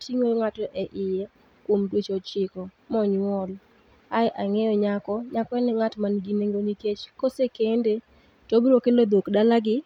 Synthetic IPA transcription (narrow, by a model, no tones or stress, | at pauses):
tiŋoŋatɔʔɛʔɪjɛ | kwomdwet͡ʃɔt͡ʃɪkɔ | mɔɲwɔl | ajʔaŋɛjɔɲakɔɲakɔɛnɪŋatmanɡineŋɡoniket͡ʃkɔsekende | tobɾokelod̪okdalaɡɪ